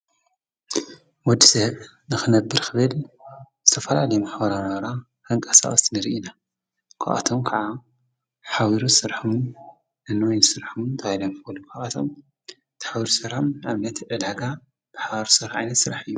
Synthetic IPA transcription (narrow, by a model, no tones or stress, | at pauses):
wɔd̪i̥sɐβ | nɨxɨnɐbːɨɾxʰɨβɨlzɨt̪ʰɐfɐlalɐjumaħbɐɾanɾa | kʰɐŋkʼɐsa̰ʔʼɐst̪nɨɾiʔina | kʰaʔa̰t̪ʰomkʰaʕa | ħawiɾusɨɾħum | ɨnːɨwojnɨsɨɾħumt̪ʰaajlomkbɐlːukʰaʔat̪ʰo̰m | t̪ʰħawiɾusɨɾħomʕaβnɐt̪ʕɨlaɡa | b̥aħaβaɾsɨɾħʕajnɐt̪sɨɾaħɨjːu